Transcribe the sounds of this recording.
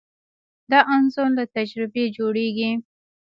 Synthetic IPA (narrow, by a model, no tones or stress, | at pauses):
d̪ɑʔanzonlat̪ad͡ʒɾɪbed͡ʒoɽeɡi